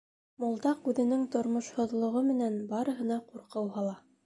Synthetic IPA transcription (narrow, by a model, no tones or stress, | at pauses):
mŏlˠd̪ɑqʉðɘ̆nɘŋt̪ŏɾmŏʃhŏðlˠŏʁɤmɘ̆nænbɑɾɤ̆ɦɤ̆nɑquɾqɤ̆wɦɑlˠɑ